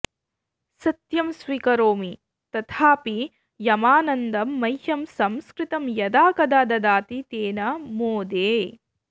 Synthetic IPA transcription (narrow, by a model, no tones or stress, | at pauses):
sɐt̪jɐmsʋikɐɾoːmi | t̪ɐt̪ʰaːpi | jɐmaːnɐnd̪ɐmːɐjhɐmsɐmskɾit̪ɐmjɐd̪aːkɐd̪aːd̪ɐd̪aːt̪it̪eːnɐmoːd̪eː